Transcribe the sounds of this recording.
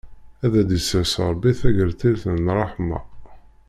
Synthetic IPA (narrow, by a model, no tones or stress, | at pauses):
æðæd̪əsəʕsəɾˤbiθæʝəɾθilθənrˤɑħmɑ̰